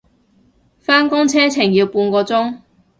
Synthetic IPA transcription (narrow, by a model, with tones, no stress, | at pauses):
faː˥nkʊ˥ŋt͡sʰɛː˥t͡sʰɪ˨˩ŋjiː˧wpuː˧nkɔː˧t͡sʊ˥ŋ